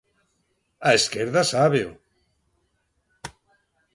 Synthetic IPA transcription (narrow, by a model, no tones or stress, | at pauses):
aeskeɾðasaβew